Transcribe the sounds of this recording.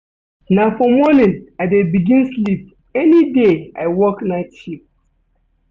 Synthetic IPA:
nafɔmɔnĩnaɪdebiɡĩnslip̚ | ɛnideaɪwɔknaɪtʃip̚

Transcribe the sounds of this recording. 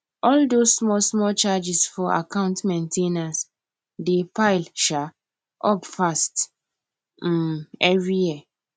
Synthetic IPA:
ɔldossmɔlsmɔlt͡ʃad͡ʒisfɔa̰kãʊ̃ntmẽntʰenas | depaɪlʃa | ʔɔpfast | ɛvɹijia

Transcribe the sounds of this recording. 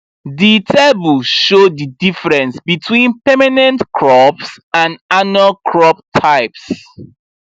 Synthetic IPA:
ditʰɛbulʃodidifɹɛ̃nsbitʰwĩnpɛmanɛ̃ntkʰɹɔpsãnanualkʰɹɔp̚tʰaɪps

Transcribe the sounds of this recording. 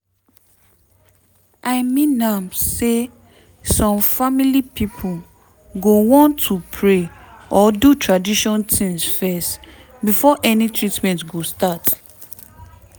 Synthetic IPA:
ʔaɪmĩnãmse | sɔ̃mfamilipipʰu | ɡowɔ̃ntʰːupʰɹeʔɔdutʰɹadiʃɔ̃ntʰĩŋsfɛst | bifɔʔɛnitʰɹitmɛ̃ntɡostat

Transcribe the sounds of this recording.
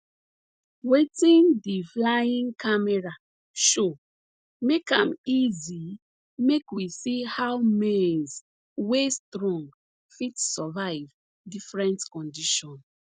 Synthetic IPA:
wetĩndiflaĩŋkʰamɛɹa | ʃo | mekãmizi | mekwisihawmɛz | westɹɔ̃ŋɡ | fitsɔvaɪv | difɹɛ̃ntkɔ̃ndiʃɔ̃n

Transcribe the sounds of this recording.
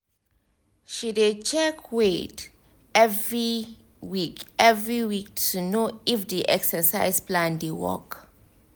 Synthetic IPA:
ʃidet͡ʃʰɛkʰwet | ɛvɹi | wikɛvɹiwik̚tʰunoifdiʔɛ̰ksɛsaɪsplãndewɔ̰k

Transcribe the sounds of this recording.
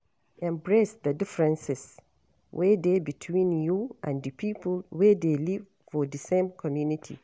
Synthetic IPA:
ɛ̃mbɹesdədɪfɹɛ̃nsɪs | wʔɛdebitʰwĩnjuʔã̰ndɨpʰipʰlwɛdeliv̥ | fɔdɨsẽmkʰɔmjũnitʰḭ

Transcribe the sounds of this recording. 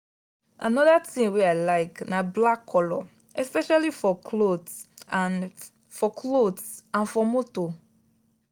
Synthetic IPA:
a̰nɔdatʰĩŋweaɪlaɪknablakʰːɔlɔ | ɛspɛʃalifɔkʰlodan | fɔkʰlodsãnfɔmoto

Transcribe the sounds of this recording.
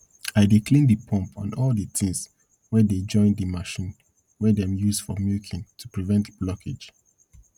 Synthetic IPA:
aɪdikʰlĩndəpʰɔ̃mpʰã̰nɔldətʰĩŋs | wɛded͡ʒɔ̃ɪ̃ndəmaʃĩn | wɛdɛ̃mjusfɔmjikʰĩntʰupɹivɛ̃ntb̥lɔkʰed͡ʒ

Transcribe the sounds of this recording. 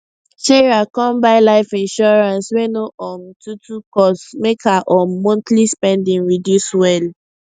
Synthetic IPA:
ʃeɹakɔ̃mbaɪlaɪfĩnʃɔɹãnswenoʔɔmtutukɔsmekʰaʔɔːɔ̃ntlispɛ̃ndĩŋɹidjuswɛl

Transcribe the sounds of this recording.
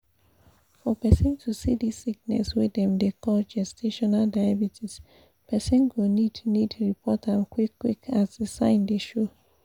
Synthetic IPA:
fɔpɛsɔ̃ntʰusḭdisːik̚nɛ̰swiɛ̃mdekɔld͡ʒɛstʰeʃɔnaldajabitʰis | pʰɛsɛ̃nɡonidnidɹipʰɔtãmkwikʰwḭkʰasdesãɪ̃ndeʃo

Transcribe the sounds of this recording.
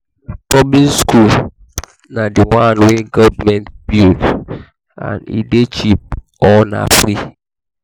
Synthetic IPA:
tɔblinskʰul | nadiwãnweɡɔvmɛ̃nt̚bild | ã̰nḭdet͡ʃip̚ | ɔna̰fɾi

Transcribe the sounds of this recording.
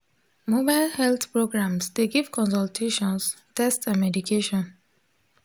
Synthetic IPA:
mobaɪlhɛlt̪pɹoɡɹãmsd̪eɡivkʰɔ̃nsaltʰeʃɔ̃nstɛstsãnmɛdukʰeʃɔ̃n

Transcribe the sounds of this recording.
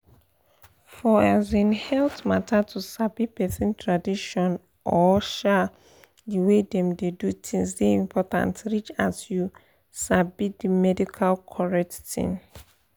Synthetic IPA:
fɔazĩnhɛltmatʰatʰusabipɛsĩntʰɹadiʃɔ̃n | ʔɔʃa | diwedɛ̃mdedutʰĩŋsdeĩmpʰɔtã̰ntɹit͡ʃasju | sabitdimɛdikʰalkʰɔɹɛkttḭ̃n

